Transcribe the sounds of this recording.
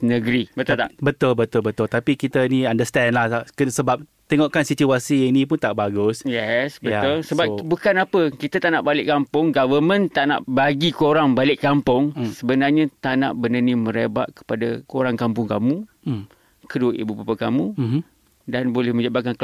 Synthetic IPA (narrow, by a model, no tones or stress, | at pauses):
nəɡɾibət̪ʊt̪aʔbət̪ʊlbət̪ʊlbət̪ʊlt̪apikit̪ainiandəst̪ɛnlahakəsəbap̚ | t̪eŋɔʔkansit͡ʃuasiinĩpʊnt̪aʔbaɡʊsjɛsbəat̪ʊlsəbabukanapəkit̪at̪aʔnaʔbalɪʔkampʊŋɡavəmə̃nt̪aʔna̰ʔbaɡikoɾaŋbalɪʔkampʊŋsəbənarɲãt̪ana̰ʔbənənimə̃ɾeba̰ʔ̪̚kə̥padakoɾaŋkampʊŋkamũ | kəduəʔḭbupapakamu | danbolɛhmə̃ɲd͡ʒabakank